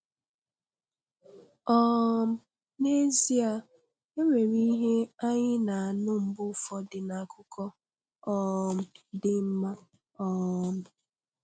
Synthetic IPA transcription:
ɔ˦˨m̩˦ | ne˦zi˦a˨ | e˦ŋʷe˨ɾi˦ɦe˦a˦ɲɪ˦na˨a˨nʊ˦m̩˦bʊ˦˨fɔ˦dɪ˨na˨kʰʊ˦kɔ˦ | ɔ˦˨m̩˦dɪ˦m̩˦ma˦ | ɔ˦˨m̩˦

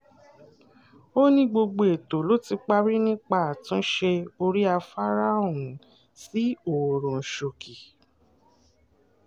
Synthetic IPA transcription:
o˦nĩ˦ɡ͡bo˧ɡ͡bo˧˨e˨to˨lo˦ti˧k͡pa˦ɾi˦nĩ˦k͡pa˦˨a˨tũ˦ʃe˧o˧ɾi˦a˧fa˦ɾa˦o˨ũ˨˦ | si˦o˨ɾɔ̃˨ʃo˨ki˨

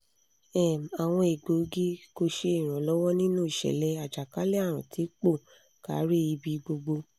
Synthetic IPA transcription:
ɛ˦˨ma˨w̃ɔ̃˧e˨ɡ͡bo˨˦ɡi˦ko˧ʃe˧i˦˨ɾ̃ã˨lɔ˦wɔ˦nĩ˦nũ˦i˦˨ʃɛ̰˨lɛ˧˦a˨d͡ʒa˨ka˨˦lɛ˦a˦˨ɾ̃ã̰˨tʰi˨˦k͡po˦˨ | ka˨˦ɾi˦i˧bi˧ɡ͡bo˧ɡ͡bo˧

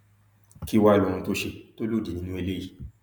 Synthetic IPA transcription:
ki˦wa˦i˨˧lõ˨˧ũ˧to˦ʃe˧to˦lo˦˨di˨nĩ˧˦nũ˦e˧le˦ji˦˨

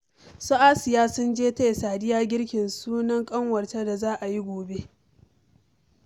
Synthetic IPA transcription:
sʊ˦ʔaː˦sɪ˨jaː˦sʊ˦nd͡ʒeː˦ta˦jsaː˨dɪ˦jaː˦ɡʲɪ˦ɽkʲɪ˨nsuː˦nɐ˦ŋkʼɐ˦ŋwɐ˨rta˦da˨zaː˦ʔa˨ji˦ɡʷoː˨be˦ʔ

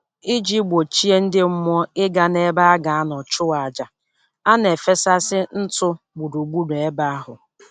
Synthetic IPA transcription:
i˦d͡ʒi˦ɡ͡bo˨t͡ʃi˦e˦n̩˦dɪ˦m̩˦m˦ɔ˦ɪ˦ɡa˦ne˦ba˦a˦ɡa˨a˦nɔ˨t͡ʃʊ˦wa˨a˨d͡ʒa˨ | a˦ne˨fe˦sa˦sɪ˦n̩˦tʊ˦ | ɡ͡bu˨ɾu˨ɡ͡bu˦ɾe˨e˦ba˦a˦ɦʊ˨

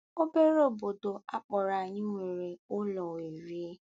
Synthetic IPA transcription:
o˦be˦ɾo˨bo˨do˨a˦k͡pɔ˨ɾa˨ɲɪ˦ŋʷe˨ɾe˨ʊ˦lɔ˨e˨ɾi˦e˦

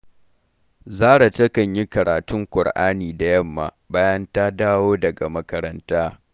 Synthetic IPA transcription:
zaː˦ɽa˨tɐ˦kɐ˨ɲji˦kɐ˨ɽaː˨tʊ˦ŋkʷʊ˨ɽʔaː˦niː˨da˨jɐ˦mːa̰˨ | baː˦jɐ˦ntaː˦daː˦woː˦dɐ˨ɡa˨mɐ˦kɐ˦ɾɐ˦ntaː˦

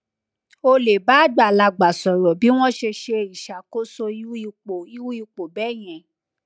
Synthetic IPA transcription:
o˧le˨ba˨˦˨da˨la˧ɡ͡ba˨sɔ˨ɾɔ˨bi˨˦w̃ɔ̃˦ʃe˧ʃe˧i˨ʃa˨ko˦so˧i˦i˧k͡po˨i˦u˦i˧k͡po˨bɛ˦˨j̃ɛ̃˨

